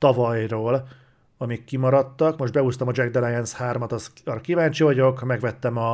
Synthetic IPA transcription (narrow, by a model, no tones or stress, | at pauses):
t̪ɒvɒjroːl | ɒmikːimɒɾɒt̪ːɒkmo̞ʒdbɛuːst̪ɒmɒd͡ʒɛɡd̪ɛlajɛnshaːrmɒt̪ɒsɒɾɒkivaːɲt͡ʃivɒɟo̞kmɛɡvɛt̪ːɛmɒ